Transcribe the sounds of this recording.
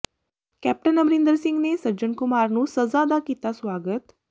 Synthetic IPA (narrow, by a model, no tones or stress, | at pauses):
kɛp̚ʈənːəmɾind̪əɾsiŋɡnesəd͡ʑəɳkumaɾnũːsəzad̪akit̪asʋaɡət̪